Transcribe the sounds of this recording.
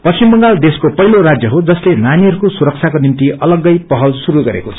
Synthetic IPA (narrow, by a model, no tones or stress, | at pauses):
pʌst͡ɕimbʌŋɡald̪eskopʌɦilorad͡zjʌɦod͡zʌslenaniɦʌɾukosuɾʌk̚t͡sʰjakonimt̪iʔʌlʌɡːʌjpʌɦʌlsuɾuɡʌɾḛkot͡sʰʌ